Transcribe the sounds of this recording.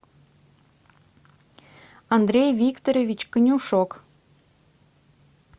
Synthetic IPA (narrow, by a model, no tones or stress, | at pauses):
ɑnd̪ɾʲejvʲikt̪oɾʲevʲit͡ɕkənʲuʃok